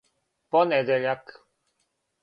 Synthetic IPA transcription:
pɔnʲɛd̪ɛʎak

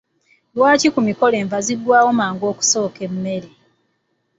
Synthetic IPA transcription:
lwaːcikumiko̞le̞ːɱvazidːwaːwo̞maːŋɡo̞ːku̥so̞ːke̞mːe̞ɾe

